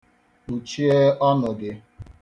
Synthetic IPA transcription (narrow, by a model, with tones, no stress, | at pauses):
u˨t͡ʃi˦e˦ɔ˦nʊ˨dɪ˨